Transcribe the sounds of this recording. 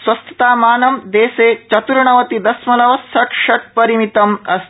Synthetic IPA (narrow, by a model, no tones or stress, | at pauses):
sʋɐst̪ʰɐ̥t̪aːmaːnɐmd̪eːseːt͡ʃɐt̪uɾɳɐʋɐt̪id̪ɐsmɐlɐʋɐsːɐʈʂɐʈ̚pɐɾimit̪ɐmɐs